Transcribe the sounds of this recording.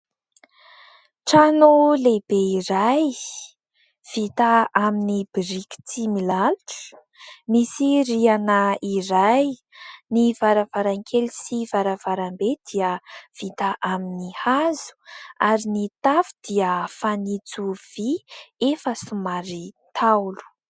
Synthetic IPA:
ʈ͡ʂanulebeiɾaj | v̥it̪aaminibiɾiki̥t͡sʰimilaluʈ͡ʂ | misirianəiɾaj | nivaɾavaɾaŋkʰelisivaɾav̥aɾambed̪̥iəv̥it̪aʔaminihazu̥aɾinit̪afu̥d̪̥iəfanit͡suv̥iefəsumaɾit̪ʰawlu̥

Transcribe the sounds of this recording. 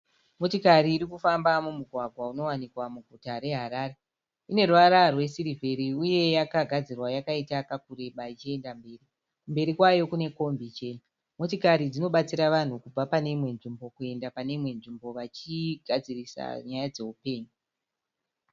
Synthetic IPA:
motikaɾiːɾikufambamumuɡʱwaɡʱwauno̞wanikwamuɡʱutaɾe̞ɦaɾaːre̞ | ine̞ruwaɾarwe̞siɾivʱeɾiuje̞jakaɡʱad͡zirwajakaitakakure̞ɓait͡ʃie̞ndambe̞ːri | kumbe̞ɾikwajo̞kune̞ko̞mbit͡ʃen | motikaɾid͡zino̞ɓat͡siɾaʋan̤ukub͡vapane̞imwe̞nʐimbo̞kue̞ndapane̞imwe̞nʐimbo̞ʋat͡ʃiɡʱad͡zirisa̰ɲajad͡ze̞upe̞ːɲu

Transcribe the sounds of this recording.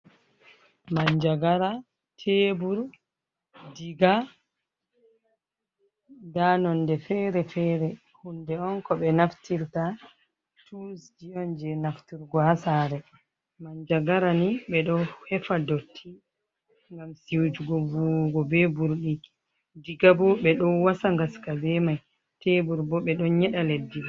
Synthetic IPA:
maɲd͡ʒaɡaɾa | tʰeːbuɾ | diɡa | danɔndɛfɛɾɛfɛɾɛ | hundɛɔŋkɔɓɛnaftiɾta | tʰusd͡ʒijɔnd͡ʒɛnaftuɾɡɔhasaːɾɛ | maɲd͡ʒaɡaɾaniɓɛɗɔhɛfadotʰːi | ŋɡamsiwd͡ʒuɡɔvuɡɔbɛbuɾɗi | diɡabɔɓɛɗɔwasaŋɡaskabɛmaj | tʰebuɾbɔɓɛɗɔnɲɛɗaledːibɔ

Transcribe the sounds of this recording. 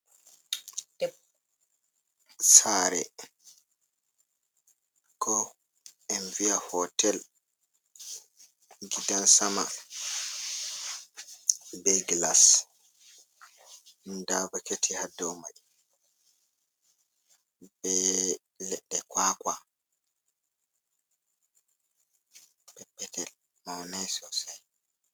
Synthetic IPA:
d̥ɛp̚ | saɾɛ̰ | kɔ | ɛnviahɔtʰɛl | ɡidansama | bɛɡlas | ndavaketʰihadːɔwmaʔ | bɛ | lɛɗːɛkwaka | bɛpːɛtʰɛl | mawnajsɔsaj

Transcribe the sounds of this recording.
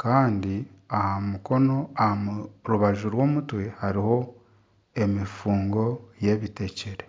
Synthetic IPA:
kaːndi | ahamuko̞no̞ahamuɾuβaʒuɾwo̞ːmutwe̞haɾiho̞ | e̞mifuːŋɡo̞je̞βite̞ceɾe̞

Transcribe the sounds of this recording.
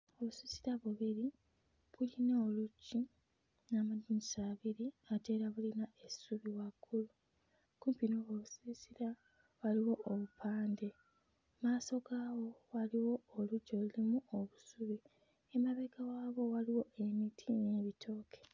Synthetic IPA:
o̞βusisiɾaβuβiɾi | βulinaoluɟi | namaduɲisaːβiɾiate̞ːɾaβulinae̞suβiwakːulu | kuːmpinoːβoβusisiɾa | waliwo̞ʔːβupʰaːnde̞ | maːso̞ɡaːwo̞waliwo̞ːluɟo̞lulimuoβusuβi | e̞maβeɡawaːβo̞waliwo̞ʔe̞mitʰine̞ːβitʰo̞ːkʰe̥

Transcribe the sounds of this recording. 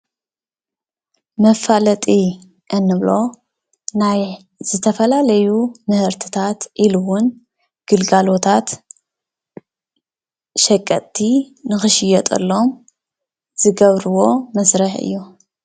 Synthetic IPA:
mɐfalɐt̪ʼi | ʔɨnːɨβlo̞ | naj | zɨt̪ʰɐfɐlalɐjumɨhɨɾt̪ʰɨ̥t̪ʰat̪ʔiluwʊn | ɡ̥ɨlɡalo̞t̪ʰat̪ | ʃɐkʼːɐt̪ʼːi | nɨxɨʃɪjɛt̪ʼɐ̰lːo̞m | z̥ɨɡɐβɾɨwo̞mɐsɾɐħɨ̰jːu

